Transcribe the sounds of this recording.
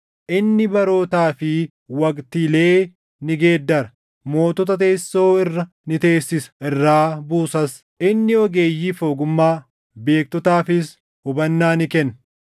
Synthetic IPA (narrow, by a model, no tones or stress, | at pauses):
ʔɪnːɪbɐɾo̞ːt̪aːfɪ | wɐkt̪ɪle̞ː | nɪɡe̞ːd̪ːɐɾɐ | mo̞ːt̪ɔt̪ɐt̪e̞ːsːo̞ːɪrːɐ | nɪt̪e̞ːsːɪsɐ̥ɪrːaːbuːsɐs | ʔɪnːɪɔɡe̞ːjːiːfoːɡʊmːaː | be̞ːk̚t̪ɔt̪aːfɪs | hʊbɐnːaːnɪkɛnː